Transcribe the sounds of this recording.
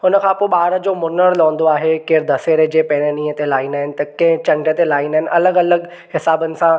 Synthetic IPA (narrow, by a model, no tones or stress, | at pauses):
ɦʊnəkʰãːpoːɪɓaːɾəd͡ʑoːmʊnəɾlõːn̆d̪oaːɦekɪɾd̪ʱɐseːɾed͡ʑeːpẽːɽenĩːət̪elaːɪnaːɦɪnɪ̆t̪ɐkɐ̃ɦɪ̃t͡ɕɐ̃ɳɖət̪elaːɪnaːɦɪnɪ̆ʔɐləɡɐləɡ | hɪsaːbənɪ̆sã